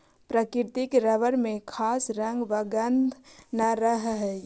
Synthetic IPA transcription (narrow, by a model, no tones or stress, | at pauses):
pɾəkiɾt̪ikɾəʋəɾmẽkʰasɾəŋɡʋəɡənd̪ʱnaɾəɦɦɛ